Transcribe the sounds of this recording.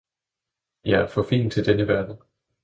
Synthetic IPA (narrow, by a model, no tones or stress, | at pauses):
jɑæɐfɒ̽fḭːnt͡sʰe̝ld̥enəʋæɐd̥n̩